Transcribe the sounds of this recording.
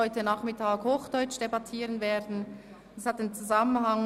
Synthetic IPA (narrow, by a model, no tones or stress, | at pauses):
ɔʏtənaːχmɪtʰaːɡhoːχd̥ɔʏt͡ʃd̥ebatʰiːʁənveːdn̩ | d̥ɛshataɪnt͡suzamənɦaŋ